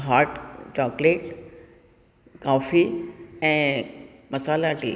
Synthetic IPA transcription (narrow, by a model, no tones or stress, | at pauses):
ɦaːɾʈt͡ɕɔːkleːʈ | kaːfiɛ̃ːmɐsaːlaʈḭː